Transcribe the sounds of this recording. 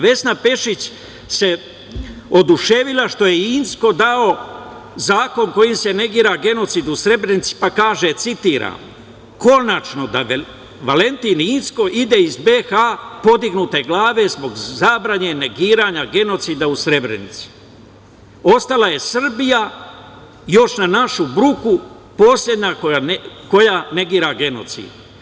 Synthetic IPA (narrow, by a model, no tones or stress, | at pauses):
ʋe̞snape̞ʃit͡ɕ | se̞ | o̞d̪uʃeʋilaʃt̪o̞je̞insko̞d̪ao̞ | zaːko̞nko̞jimse̞ne̞ɡiːɾaɡe̞no̞t̪siːd̪usɾe̞bɾenit̪si̥pakaːʒet̪sit̪iːɾa̰ːm | ko̞nat͡ʃno̞d̪a | ʋale̞nt̪iːniːnsko̞ʔid̪e̞izbe̞xapo̞d̪iɡnuːt̪eɡlaːʋe̞zbo̞ɡzabɾaɲe̞ne̞ɡiːɾaːɲaɡe̞no̞t̪siːd̪ausɾe̞bɾḛnit̪si̥ | o̞st̪alaje̞sr̩bija | jo̞ʃnanaʃubɾuku | po̞sʎʲje̞d̪ɲakoako̞jane̞ɡiːɾaɡe̞no̞̰t̪sḭːd̪̥